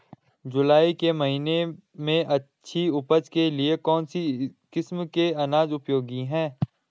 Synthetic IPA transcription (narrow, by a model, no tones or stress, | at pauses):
d͡ʒʊlaːikemɐɦiːnemẽʔɐtːʃʰiʊpəd͡ʒkeliekɔːnsikɪsmkeɐnaːd͡ʒʊpjoːɡiɦɛ̃ː